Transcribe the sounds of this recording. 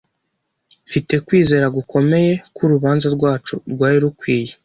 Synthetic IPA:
fite̞kwiːze̞ːɾaɡukʰo̞me̞je̞kʰuɾuβaːnzaɾɡwaːt͡ʃuɾɡwaːɾiɾukwiːje

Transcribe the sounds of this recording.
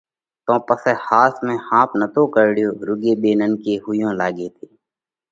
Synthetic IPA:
t̪õːpəsehaːsmẽːhãːpʰnət̪õːkəɾɽjoːɾʊɡeːbeːnənkeːɦʊjõːlaːɡeːt̪ʰeː

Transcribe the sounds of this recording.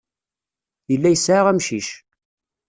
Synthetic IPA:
jəlːæjəsʕaʁæmʃiʃ

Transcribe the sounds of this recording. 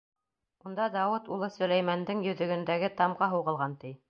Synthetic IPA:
und̪ɑd̪ɑwɤt̪ulˠɤsɵ̆læjmænd̪ɘŋjɵ̆ðɵ̆ɡɵ̆nd̪æɡɘt̪ɑmʁɑɦɤwʁɤ̆lˠʁɑnt̪ij

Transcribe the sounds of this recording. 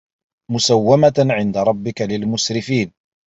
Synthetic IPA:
mʊsawːamaʕɪnd̪aɾˤɑbːɪkalɪlmʊsɾɪfiːn

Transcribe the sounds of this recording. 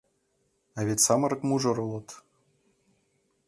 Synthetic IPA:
ɑvʲet̪ʲsɑmɤ̆ɾɤ̆kmuʐɤ̆ɾɤ̆lˠɤ̆t̪

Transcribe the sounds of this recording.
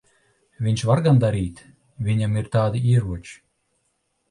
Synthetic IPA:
βinʲt͡ɕβɑrɡɑnd̪ɑɾit̪ʲ | βinʲəmirt̪ɑːd̪irβut͡ɕ

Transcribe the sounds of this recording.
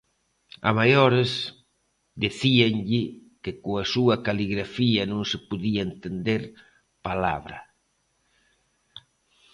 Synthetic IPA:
a̰majoɾes | d̪iθiaŋʎɪkekoasuɐkaliɣɾafiɐnõŋsɪpuðiaent̪end̪eɾ | pala̰βɾɐ̰

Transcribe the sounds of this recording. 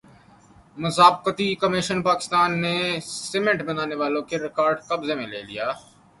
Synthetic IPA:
mʊsaːbkət̪ikəmɪʃənpaːkɪ̥st̪aːnːesɪmẽɳʈbənaːneʋaːlõkeɾɪkaːɾɖkəbzemẽlḛːlḭjaː

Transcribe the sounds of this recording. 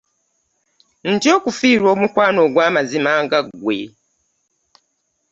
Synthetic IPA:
n̩tjo̞ːkufiːɾwo̞ːmukwaːno̞ɡwaːmazimaːŋɡaɡwḛ

